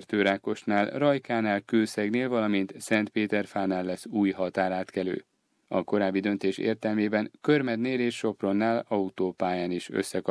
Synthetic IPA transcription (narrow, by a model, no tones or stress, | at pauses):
rt̪øːɾaːko̞ʃnaːlrɒjkaːnaːlkøːsɛɡneːlvɒlɒmint̪sɛnt̪peːt̪ɛrfaːnaːlːɛsːuːjɦɒt̪aːɾaːt̪kɛlø̰ː | ɒko̞ɾaːbːid̪ø̞nt̪eːʃḛːrt̪ɛlmeːbɛnkørmɛd̪neːleːʃʃo̞pro̞nːaːlɒut̪oːpaːjaːniʃø̰sːɛkɒ